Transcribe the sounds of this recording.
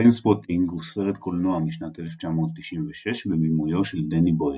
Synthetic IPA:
inspot̪ʰiŋɡuseʁet̪kʰolnoamiʃnat̪ʔeleft͡ʃamo̞ːt̪ːiʃimveʃeʃbemimujo̞ʃeld̪eniboj

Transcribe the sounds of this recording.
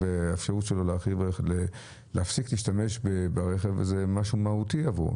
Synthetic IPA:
veefʃaʁutʃelo̞laχivele | leafsikliːʃtame̞ʃbebaʁeχevzemaʃumahutiavṵ

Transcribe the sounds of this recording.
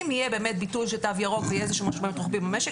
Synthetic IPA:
mijebeːmet̚bitulʃetavjaʁokvejeezeʃuːmaʃmaimt̪ʁoχbimemeʃe

